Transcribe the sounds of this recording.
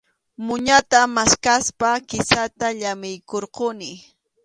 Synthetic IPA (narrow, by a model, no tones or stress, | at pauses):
mʊɲat̪amaskaspakɪsat̪aʎamɪjkoɾqʊnɪ